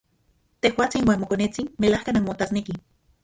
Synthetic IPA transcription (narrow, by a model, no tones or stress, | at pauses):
t̪ehwaːt͡sinwanmokonet͡sinmelahkananmot̪asneki